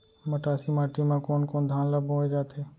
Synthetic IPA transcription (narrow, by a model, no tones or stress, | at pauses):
məʈaːsiːmaːʈimãːkoːnkoːnd̪ʱaːnləbʱɦoːed͡ʒaːt̪ʰeː